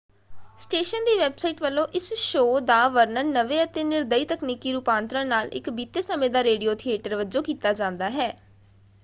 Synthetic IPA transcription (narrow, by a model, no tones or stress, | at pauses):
sʈeːʃənd̪iːʋɛːbsaːiːʈʋəlːõːʔɪsʃoːd̪aːʋəɾnəɾnəʋeːət̪eːnɪɾd̪əiːt̪əkniːkiːɾupãːnt̪ɾãːnaːlɪ̰kbiːt̪eːsəmẽːd̪aːɾeːɖioːt̪ʰieːʈəɾʋəd͡ʒõːkiːt̪aːd͡ʒãːnd̪aːɦɛː